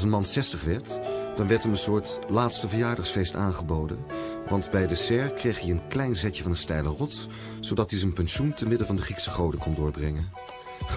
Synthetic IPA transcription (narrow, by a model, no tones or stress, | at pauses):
sənmɑnsɛstəχʋɛɹtd̥ɑnʋɛɹtɦɛmənsʊːɹtlaːtstəvəɹjaːɹdɑχsfejsta̰ːnχəbowdə̰nʋɑndbɛjdəsɛɹkrejχiənklɛjnzɛcəvɑnənstɛjlərɔts | z̥owdɑtizənpɛnʃuntəmɪdəvɑndəχriksəχowdəkɔndʊːɹbrɛŋən